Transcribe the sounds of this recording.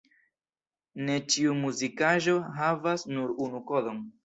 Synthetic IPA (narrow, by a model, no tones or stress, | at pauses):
ne̞t͡ʃiumuzikaʒo̞ɦavasnuɾunuko̞do̞n